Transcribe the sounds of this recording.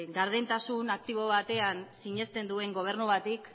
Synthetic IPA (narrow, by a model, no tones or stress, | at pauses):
ɡaɾð̞ent̪asunak̚t̪iβo̞βat̪e̞ansiɲe̞st̪e̞nd̪ue̞ŋɡo̞β̞e̞ɾnuβat̪ik